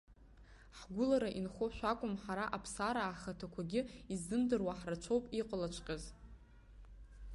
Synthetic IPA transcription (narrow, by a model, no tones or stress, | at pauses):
ħɡʷʊlaɾaʔinχʷoʃᶣʷakʷʼʊmħaɾaʔapʰsaɾaːχatʰakʷʰaɡʲɪizːɨmdɨrwaħrat͡ʃʷʰowpʼiqʼlat͡ʃʷʰʼqʲʼaz